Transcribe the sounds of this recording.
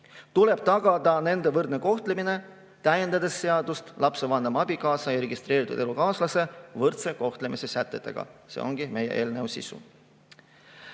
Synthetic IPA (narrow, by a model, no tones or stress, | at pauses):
t̪ule̞b̥̚t̪ɑɡ̥ɑd̪̥ɑne̞nd̪e̞vɤrd̪neko̞ht̪lemine̞ | t̪æjend̪ɑd̪e̞sːe̞ɑd̪̥ust̪lɑpse̞vɑnd̪̥ɑmɑbikɑːsɑjɑɾe̞ɡ̥ist̪ɾe̞ːɾit̪ud̪̥e̞lukɑːslɑse̞vɤrt̪se̞ko̞ht̪le̞mise̞sæt̪ˑːe̞t̪ːˑe̞̰ɡ̥ɑ̰sḛo̞̰ŋɡ̥ime̞jḛʔe̞ːlnewsḭsṵ